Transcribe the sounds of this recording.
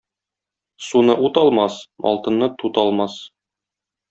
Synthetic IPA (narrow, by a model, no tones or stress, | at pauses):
sunɤʔut̪ɒlˠmɑsmʔɒ̰lˠt̪ɤ̆nːɤt̪ut̪ɒlˠmɑs